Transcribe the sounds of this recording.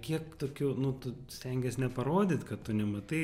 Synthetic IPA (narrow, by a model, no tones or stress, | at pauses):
kʲiɛkt̪oːkʲuːnʊt̪ʊ | sʲt̪ʲɛŋʲɡʲɛsnʲɛpɐɾoːd̪ʲɪt̪kɐt̪t̪ʊnʲɛmɐt̪ɐɪ